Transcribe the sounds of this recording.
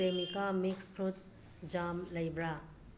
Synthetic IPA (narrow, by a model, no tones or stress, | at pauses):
ɾemikamikskʰɾut̪̚ | d͡ʒamlɐjbɾa